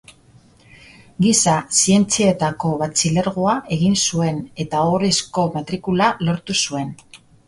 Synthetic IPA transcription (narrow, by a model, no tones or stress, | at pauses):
ɡisasie̞nt͡sie̞t̪ako̞βat͡sile̞ɾɣoaʔe̞ɣinsue̞ne̞t̪ao̞ɾesko̞mat̪ɾikulalo̞ɾt̪usue̞n